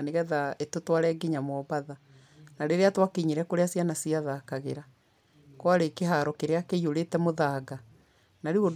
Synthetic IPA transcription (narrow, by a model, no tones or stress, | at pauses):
neɣɛðaetotwaɾɛɡiɲamwɔβaða | naɾeɾeatwakeɲeɾɛkoɾeasjanasiaðakaɣeɾa | kwaɾekeɦaɾɔkeɾeakeioɾetɛmoðaːɡa | naɾeo